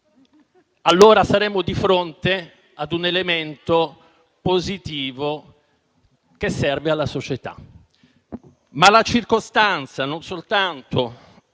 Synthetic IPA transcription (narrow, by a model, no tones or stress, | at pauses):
alːoːɾasaɾɛːmod̪ifɾont̪e | ad̪unelement̪o | pozit̪iːvo | k̟esːɛrvealːasot͡ʃet̪a̰ | malat͡ʃirkost̪ant̪sanonsolt̪ant̪o